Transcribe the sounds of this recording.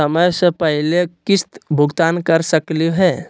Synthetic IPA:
əməjsə̃pəɦilekist̪bʱʊɡt̪ankəɾsəkliɦɛ

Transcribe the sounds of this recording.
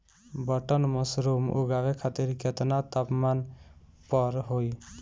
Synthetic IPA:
bʌʈənmʌsɾumṵɡaʋekʰat̪iɾket̪nat̪apman | pʌɾɦoj

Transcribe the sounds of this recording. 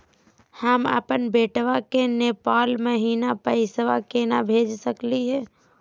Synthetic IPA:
həmə̰pənbeːʈʋakeneːpaːlməɦiːnapəɪsʋakenabʱeːd͡ʒsəkliɦɛː

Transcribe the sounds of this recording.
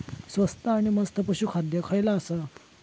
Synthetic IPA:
sʋəst̪aːɽ̃iməst̪ʰəpəɕukʰad̪jəkʰəjlaːsa

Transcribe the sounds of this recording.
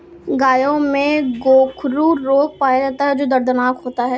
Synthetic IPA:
ɡaːjõmẽɡoːkʰɾuɾoːk̚paːjad͡ʒaːt̪aɦɛd͡ʒoːd̪ɐɾd̪ənaːkɦoːt̪aɦɛː

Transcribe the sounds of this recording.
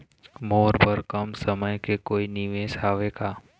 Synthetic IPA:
moːɾpəɾkəmsəməjkekoːiniʋeːsaːʋeːkaː

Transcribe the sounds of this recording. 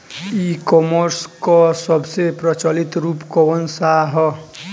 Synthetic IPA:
ikɔməɾskɔsəbsepɾət͡ʃəlit̪ɾuːpkɔənsaɦɔ

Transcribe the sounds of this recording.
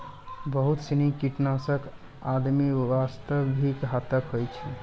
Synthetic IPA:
bəɦut̪sinikiʈnasək | ad̪miʋast̪əbikɦat̪əkəjt͡ʃʰɛ

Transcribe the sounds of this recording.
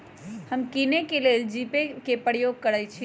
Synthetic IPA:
həmkinekeleld͡ʒipekepəɽjoɡ̚kːəɽajt͡ʃʰ

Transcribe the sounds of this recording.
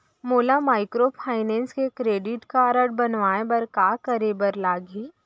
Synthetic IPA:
moːlamaːɪkɾopʰaːɪnɛ̃ːnskekɾeːɖɪʈkaɾəʈ̚bɐnʋaːebɐɾkaːkəɾeːbəɾlaːɡiː

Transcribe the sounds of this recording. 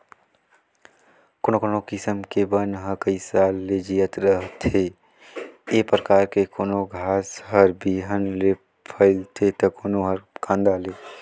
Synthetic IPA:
koːnokonokɪsəmkebənɦəɾkəisalːed͡ʒiːət̪ɾəɦt̪ʰe | epɾəkaːɾkekoːnoɡʱaːsɦəɾbiɦənle | pʰəɪlt̪ʰet̪əkoːnoɦəɾkãːnd̪aleː

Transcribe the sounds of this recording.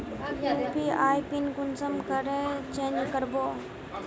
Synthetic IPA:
upiaːjpinɡʊnsəmkəɾet͡ʃẽːnd͡ʒkəɾboː

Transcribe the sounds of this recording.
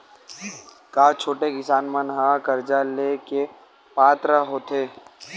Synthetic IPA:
kaːt͡ʃʰoːʈekɪsaːnmənɦãkɐɾd͡ʒaleke | paːt̪ɾəɦoːt̪ʰeː

